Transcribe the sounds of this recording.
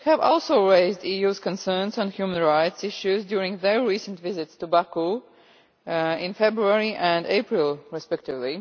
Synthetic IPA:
hævɔ̰lˠsoʊɹeɪzdiːjuz̥kə̃nsɜ˞nsɔ̃nhjumə̃nɹaɪtsɪʃjuzdjuɹɪ̃ŋðəɹɹiːsə̃ntvɪzɪtstubaku | ɪ̃nfɛbɹuəɹiʔə̃ndḛɪpɹɪlˠɹɪspɛk̚tɪvli

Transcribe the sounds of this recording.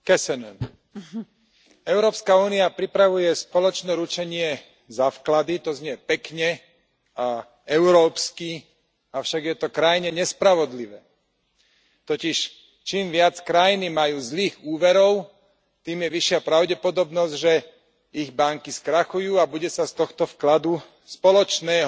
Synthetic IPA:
kɛsɛnɛn | ɛʊɾɔːpskauːniapɾipɾaʋujɛspɔlɔt͡ʃnɛɾut͡ʃɛɲɪɛ | zaːfklad̪it̪ɔzɲɪɛpɛkɲɛ | a | ɛʊɾɔːpski | aʊʃaɡjɛt̪ɔkɾajiɲɛɲɛspɾaʋɔd̪liʋɛː | t̪ɔciʃ | t͡ʃiːmʋɪat͡skɾajinimajuːzliːɣuːʋɛɾɔʊ | t̪iːmjɛʋiʃɪapɾaʊɟɛpɔd̪ɔbnɔzɟʒɛ | iɣbaŋkiskɾaxujuːabuɟɛsast̪ɔxt̪ɔfklad̪u | spɔlɔt͡ʃnɛːɦ

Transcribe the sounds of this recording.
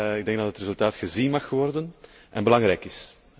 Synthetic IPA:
ɪɡ̚dɛŋɡ̚dɑtətrezɵlˠtaːtxəzinmɑxʋɔrdən | ʔɛnbəlɑŋɾɛːjkɪs

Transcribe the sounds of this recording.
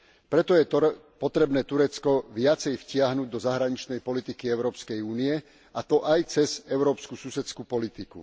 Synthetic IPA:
pɾɛt̪ɔjɛ | pɔt̪ɾɛbnɛːt̪uɾɛt͡skɔʋɪat͡sɛjfcɪaɦnuːɟd̪ɔzaɦɾaɲit͡ʃnɛjpɔlit̪ikiɛʊɾɔːpskɛjuːniɛ | at̪ɔʔajt͡sɛzɛʊɾɔːpskususɛt͡skupɔlit̪ikṵ

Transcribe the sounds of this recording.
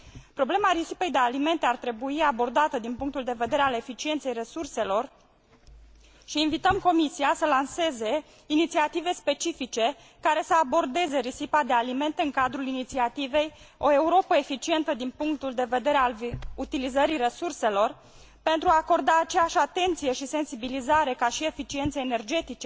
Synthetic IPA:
pɾo̞ble̞maɾisipe̞jd̪e̞alime̞nt̪eart̪ɾe̞buiabo̞rd̪at̪əd̪inpuŋk̚t̪uld̪e̞ve̞d̪e̞ɾeale̞fit͡ʃie̞nt̪sejre̞surse̞lo̞r | ʃiːnvit̪əmko̞misiasəlanse̞ze̞ | init̪siat̪ive̞spe̞t͡ʃifit͡ʃe̞ | kaɾe̞səabo̞rd̪e̞ze̞ɾisipad̪e̞alime̞nt̪eɨŋkad̪ɾulinit̪siat̪ive̞jo̞e̞uɾo̞pəefit͡ʃie̞nt̪əd̪inpuŋk̚t̪uld̪e̞ve̞d̪e̞ɾealut̪ilizəɾire̞surse̞lo̞r | pe̞nt̪ɾuaːko̞rd̪aːt͡ʃe̞jaʃʲat̪e̞nt̪sije̞ʃise̞nsibilizaɾe̞kaʃie̞fit͡ʃient̪seːne̞rd͡ʒe̞t̪it͡ʃe̞

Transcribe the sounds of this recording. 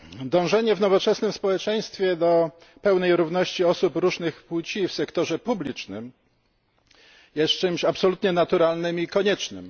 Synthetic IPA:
d̪ɔ̃w̃ʐɛɲɛvnɔvɔt͡ʂɛsnɘmspɔwɛt͡ʂɛj̃st̪fʲjɛd̪ɔ | pɛwn̪ɛjɾuvnɔɕt͡ɕiɔsupɾuʐnɘxput͡ɕifsɛkt̪ɔʐɛpublʲit͡ʂnɘ̰m | jɛst̪t͡ʂɘmɕapsɔlut̪ɲɛnat̪uɾalnɘmikɔɲɛt͡ʂnɘ̰m

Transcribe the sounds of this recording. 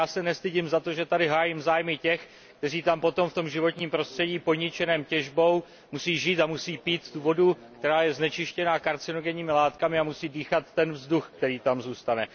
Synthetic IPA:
aːsɛnɛst̪ɪɟɪmzat̪o̞ʒɛt̪adɪɦaːjɪmzaːjmɪcɛx | kt̪ɛriːt̪ampo̞t̪o̞mft̪o̞mʒɪvo̞t̪ɲiːmpɾo̞st̪r̥ɛɟiːpoɲɪt͡ʃɛnɛːmcɛʒbo̞w | musiːʒiːt̪amusiːpiːt̪t̪uvo̞dukt̪ɛɾaːjɛznɛt͡ʃɪʃcɛnakaɾt͡sɪno̞ɡɛɲiːmɪlaːt̪kamɪamusiːdiːxat̪ːɛnvzduxkt̪ɛɾiːt̪amzuːst̪anɛ

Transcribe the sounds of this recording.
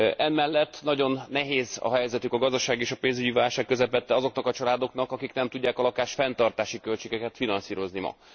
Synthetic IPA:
ʔɛmmɛlːɛt̪ːnɒɟo̞nːɛɦeːzɒ̰ɦɛjzɛt̪ykɒɡɒzd̪ɒʃaːɡeːʃɒpeːnzyɟivaːlʃaːkːø̞zɛpɛt̪ːɛɒzo̞knɒkɒt͡ʃɒlaːd̪o̞kn̪ɒkɒkiknɛmt̪uɟːaːkɒlɒkaːʃfɛnt̪ɒrt̪aːʃikø̞lt͡ʃeːɡɛkɛt̪finɒnsiːɾo̞znimɒ̰

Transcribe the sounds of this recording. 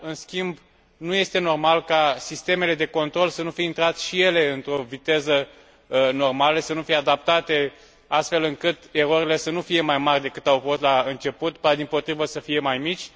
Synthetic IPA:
ɨnskʲimb | nuje̞st̪e̞no̞rmalkasist̪e̞me̞le̞d̪e̞ko̞nt̪ɾo̞lsənufijeint̪ɾat̪ʃije̞le̞ɨnt̪ɾo̞vit̪e̞zə | no̞rmaləsənufijead̪ap̚t̪at̪e̞ | ast̪fe̞lɨŋkɨt̪e̞ɾoɾile̞sənufije̞majmarʲd̪e̞kɨt̪awfo̞st̪laɨnt͡ʃe̞put̪pad̪impo̞t̪ɾivəsəfije̞majmit͡ʃʲ

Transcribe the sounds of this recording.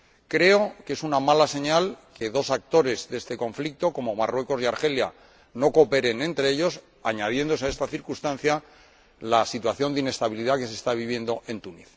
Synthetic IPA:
kɾe̞o̞ke̞sunamalase̞ɲalke̞ðo̞sak̚t̪o̞ɾe̞zðe̞st̪e̞ko̞ɱflik̚t̪o̞ko̞momarwe̞ko̞siaɾxe̞lja̰ | no̞ko̞pe̞ɾe̞nẽ̞nt̪ɾe̞eʎo̞s | aɲað̞je̞nd̪o̞s̬ae̞st̪aθiɾkust̪anθja | lasit̪waθjo̞nd̪ine̞st̪aβ̞iliðake̞se̞st̪aβ̞iβje̞nd̪o̞ʔe̞nt̪uniθ

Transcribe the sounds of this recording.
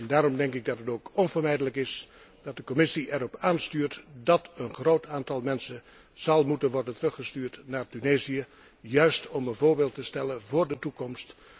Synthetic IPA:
ndaːɾɔmdɛŋkɪɡ̚dɑtətowkɔnvəɹmɛjdələkɪs | d̥ɑt̚dəkɔmɪsiʔɛɾɔpaːnstyːɹtdɑtənχroːtaːntɑlˠmɛnsən | z̥ɑlˠmutənʋɔɹdəntərɵχəstyːɹtnaːɹtyneːzijə | jœɥstɔmənvʊːɹbeːlˠtəstɛlənvʊːɹdətukɔmst

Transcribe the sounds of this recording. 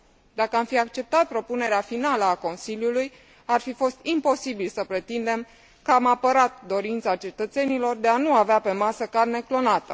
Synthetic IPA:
d̪akəamfiak̚t͡ʃe̞p̚t̪at̪̚pɾo̞pune̞ɾeafinaləako̞nsiljuluj | arfifo̞st̪impo̞sibilsəpɾe̞t̪ind̪e̞m | kəamapəɾat̪d̪o̞ɾint̪səat͡ʃe̞t̪ət̪se̞nilo̞rd̪e̞anuaveape̞masəkarne̞klo̞nat̪ə

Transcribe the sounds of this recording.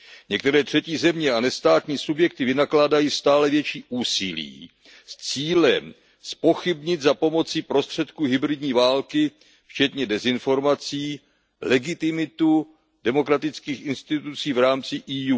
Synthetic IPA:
ɲɛk̚t̪ɛɾɛːt̪r̝̥ɛciːzɛmɲɛanɛst̪aːt̪ɲiːsubjɛk̚t̪ɪvɪnaklaːdajiːst̪aːlɛvjɛt͡ʃiːʔuːsɪlḭː | st͡siːlɛm | spo̞xɪbɲɪd̪zapo̞mo̞t͡sɪpɾo̞st̪r̝̥ɛt̪kuɦɪbɾɪdɲiːvaːlkɪ | ft͡ʃɛt̪ɲɛdɛzɪnfo̞ɾmat͡siː | lɛɡɪt̪ɪmɪt̪u | dɛmo̞kɾat̪ɪt͡skiːxɪnst̪ɪt̪ut͡siːvɾaːmt͡sɪʔiːjuː

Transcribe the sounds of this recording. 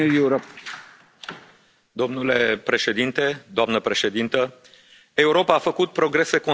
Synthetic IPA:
ujuuɾop | d̪o̞mnule̞pɾe̞ʃe̞d̪int̪e̞d̪oamnəpɾe̞ʃe̞d̪int̪ə | e̞uɾo̞paːfəkut̪̚pɾo̞ɡɾe̞se̞ko

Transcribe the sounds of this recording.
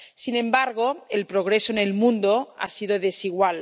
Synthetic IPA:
sinẽ̞mbaɾɣ̞oelpɾoɣ̞ɾesoenelmũnd̪oa̰siðoðesiɣwal

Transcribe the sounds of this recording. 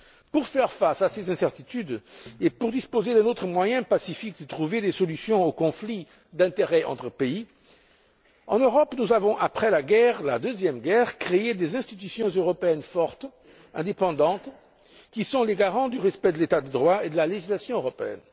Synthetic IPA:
puʁfɛʁfasasezɛ̃sɛʁt̪it̪yd̪epuʁd̪ispozed̪ɛ̃not̪χəmwajɛ̃pasifik̚d̪ət̪χuved̪esɔlysjɔ̃okɔ̃fli | d̪ɛ̃t̪eʁɛʔɑ̰̃t̪χəpei | ɑ̰̃nøʁɔpnuzavɔ̃ʔapχɛlaɡɛʁla̰d̪øzjɛmɡɛʁkχeed̪ezɛ̃st̪it̪ysjɔ̃zøʁɔpeɛnfɔʁt̪ | ɛ̃d̪epɑ̃d̪ɑ̃t̪ | kʲisɔ̃leɡaʁɑ̃d̪yʁɛspɛd̪əlet̪ad̪əd̪ʁwaed̪əlaleʒislasjɔ̃øʁɔpeɛ̰n

